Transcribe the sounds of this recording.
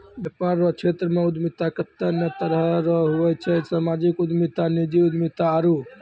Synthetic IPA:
bjəpaɾːɔt͡ʃʰet̪ɾəmẽud̪mit̪akət̪ːənət̪əɾɦɾəɦuɛt͡ʃʰɛsamad͡ʒikud̪mit̪anid͡ʒiud̪mit̪aːɾu

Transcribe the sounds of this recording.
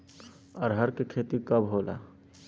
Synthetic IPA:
ɔːɾɦəɾkekʰet̪ikəbɦoːla̰ː

